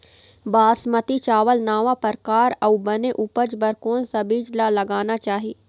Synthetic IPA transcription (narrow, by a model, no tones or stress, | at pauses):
baːsmət̪it͡ʃaːʋəlnaːʋapəɾkaːɾɐubɐneʔuːpəd͡ʒbəɾkoːnsɐbʱid͡ʒlalɐɡaːnat͡ʃaːɦiː